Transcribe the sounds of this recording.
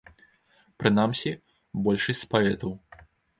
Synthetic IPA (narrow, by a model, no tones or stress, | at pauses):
pɾɨnamsʲi | bɔlʲʂɨsʲt͡sspaɛt̪ɐw